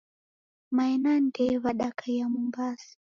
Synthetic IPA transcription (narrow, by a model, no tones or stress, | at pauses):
maɛnandɛβaɗakʰajamumbasḁ